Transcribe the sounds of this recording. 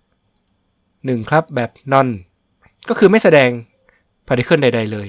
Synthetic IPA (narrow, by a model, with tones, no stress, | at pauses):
nɯ˨˩ŋkʰa˦˥p̚bɛː˨˩p̚nɔ˧n | kɔː˥˩kʰɯː˧ma˥˩jsa˧dɛː˧ŋ | pʰɔː˨˧˩da˧jkʰɯ˥˩˨nda˧jda˧jlɤː˧j